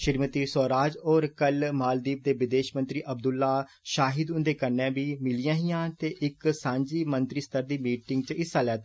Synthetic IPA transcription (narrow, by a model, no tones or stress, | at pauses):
ʃɪɾmət̪iːsoːɾaːd͡ʒoːɾkəlmaːld̪iːp̚d̪eːʋɪd̪eːʃmənt̪ɾiːʔəb̚d̪ʊlːaː | ʃaːɦɪd̪ʊnd̪eːkəɾnɛ̃ːbiːmɪlijãːɦiːãːt̪eːʔɪksãːɲd͡ʒiːmənt̪ɾiːst̪əɾd̪iːmiːʈɪŋɡ̚t͡ʃɪsaːlɛːt̪ː